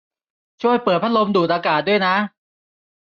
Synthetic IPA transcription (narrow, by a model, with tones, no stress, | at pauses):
t͡ɕʰu˥˩əjpɤː˨˩t̪̚pʰa˥lo˧mduː˨˩t̪̚ʔaː˧kaː˨˩t̪̚du˥˩əjna˦˥